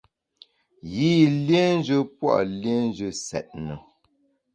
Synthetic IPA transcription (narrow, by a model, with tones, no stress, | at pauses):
ji˦˨lje˦n˦d͡ʒə˦pwɔ̰˦˨ʔlje˦n˦d͡ʒə˦˨sɛ̰˨t̚nə˨